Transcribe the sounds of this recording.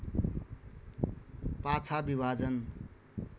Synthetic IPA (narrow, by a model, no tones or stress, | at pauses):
pat͡sʰabibʱad͡zʌn